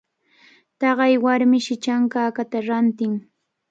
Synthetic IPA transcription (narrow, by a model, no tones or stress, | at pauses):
t̪ɑɢɑjwaɾmɪʃɪt͡ʃaŋkaːkat̪aɾant̪ɪŋ